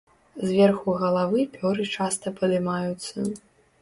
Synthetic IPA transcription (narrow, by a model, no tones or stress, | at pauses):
zvʲɛrxuɣɐlˠavɨpʲɔɾɨt͡ʂast̪ɐpɐd̪ɨmajut̪sːɐ